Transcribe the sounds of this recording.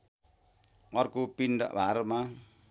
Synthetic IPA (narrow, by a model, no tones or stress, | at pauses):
ɔrkupinda̰ʔbaɾma